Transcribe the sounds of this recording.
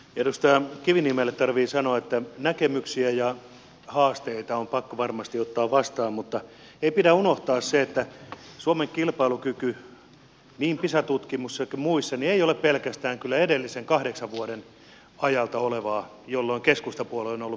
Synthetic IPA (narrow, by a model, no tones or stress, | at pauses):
jɑt̪ost̪ɑɑkiʋinimelːet̪t̪ɑrʋiːsɑnoɑet̪ːænækemyksiæjɑ | hɑːst̪eit̪ɑompɑkːoʋɑrmɑst̪iot̪ːɑːʋʋɑst̪ɑːmmut̪ːɑ | eipidæunoht̪ɑːsseet̪ːæsuomeŋkilpɑilukyky | niːmpisɑt̪ut̪kimusːɑkmuisːɑnieijoleppelkæst̪æːŋkylːæedelːiseŋkɑhdeksɑʋʋuoden | ɑjɑlt̪ɑoleʋɑː | jolːoiŋkeskust̪ɑpuoloonolːu